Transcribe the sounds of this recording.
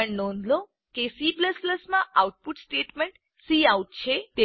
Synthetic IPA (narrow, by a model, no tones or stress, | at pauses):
əɳnond̪lo | kesipləsləsmãʔawʈ̚puʈsʈeʈmeɳʈ | siawʈ̚t͡ʃʰet̪e